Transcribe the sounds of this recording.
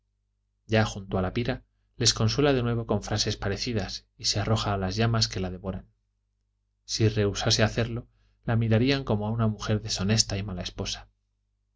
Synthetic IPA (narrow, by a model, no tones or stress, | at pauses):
ɟ͡ʝaxunt̪oalapiɾa | le̞sko̞nswe̞laðe̞nwe̞β̞o̞kõ̞ɱfɾase̞spaɾe̞θiðas | isearʔo̞xaːlazʝamaske̞lað̞e̞βo̞ɾan | sire̞usase̞aθe̞ɾlo̞ | lamiɾaɾiaŋko̞moaunamuxe̞ɾðe̞so̞ne̞st̪aimalaespo̞sḁ